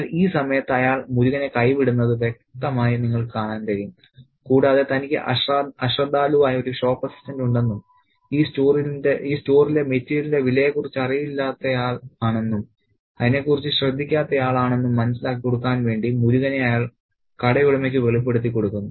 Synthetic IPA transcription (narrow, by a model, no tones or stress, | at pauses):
ɐliːsɐmɐjɐt̪ːɐjaːɭmuɾuɣɐnekɐjʋiɽunːɐðɨʋjek̚t̪ːɐmaːjɐniŋːɐɭkaːɳaːnt̪ɐɾijum | kuːɽaːðɨt̪ɐnikʲːɨ̰ʔɐɐɕrɐd̪ːaːluʋaːjɐoɾuɕo̞ːpːɐsi̥stɐnduɳɖe̞nːum | iːstoːrindeiːsto̞ːrile̞metːijlinde̞ʋilɐjekːurit͡ɕːɐrijilːaːt̪ːɐjaːɭaːɳe̞nːum | ɐðine̞ːkːurit͡ɕːɨɕrɐd̪ʱːikʲːaːt̪ːɐjaːɭaːɳe̞nːumːɐnɐsilaːkːikːo̞ɽukːaːnʋe̞ːɳɖimuɾuɣɐne̞ɐjaːɭ | kɐɽɐjuɽɐme̞ːk̬ːɨʋe̞ɭip̬ːe̞ɽut̪̬ːikːo̞ɽukːunːu